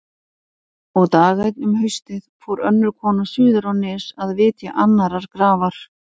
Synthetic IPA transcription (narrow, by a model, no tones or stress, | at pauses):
ɔɣt̪aːɣajt̪nʏmhʏɥst̪ɪðfɔːwɾœnːʏɾkʰɔːnasʏːðʏɾawnɪːsaðvɪːt̪jaʔanːaɾaɾ̥kɾaːvaɾ̥